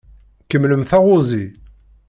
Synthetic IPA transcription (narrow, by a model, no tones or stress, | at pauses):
kəmːləmθaʁʊzi